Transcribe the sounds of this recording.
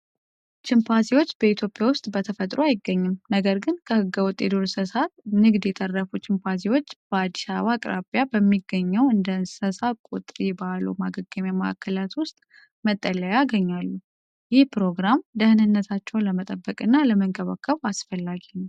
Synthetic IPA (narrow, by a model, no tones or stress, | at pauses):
t͡ʃɪmpʰasiwo̞t͡ʃːb̥əit̪ʰjo̞pʼjawʊst̪ʼbət̪ʰəfət̪ʼɾoajɪɡːəɲːɨmnəɡəɾɡɨnkʰəhɨɡːəwɔt̪ʼːjed̪oɾsɨsat̪nɨɡd̪jɛt̪ʰərːəfut͡ʃʼɪmpʰasiwo̞t͡ʃːb̥əad̪isa̰βakʼɾa̰pʼjabəmːiɡːəɲːɛwɨnd̪ənsəsakʼṵt̪ʼɾibalṵmaɡəɡəmjaməa̰kʰːəlat̪wʊst̪ʼ | mət̪ʼːələjaɡəɲːalːu | jɪhpɾo̞ɡɾamd̪əhnɨnːət̪ʰat͡ʃːɛwləmət̪ʼəbːəkʼɨnːaləməŋkʰʼəβə̰kʰːəβasfəlːaɡi